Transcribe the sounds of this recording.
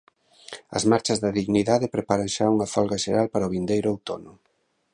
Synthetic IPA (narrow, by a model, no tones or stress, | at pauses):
ɐ̰zmaɾt͡ʃɐzðɐðiɣniðaðepɾepaɾɐŋʃauŋɐfɔlɣɐʃeɾalpaɾɐoβind̪ejɾʊowt̪onʊ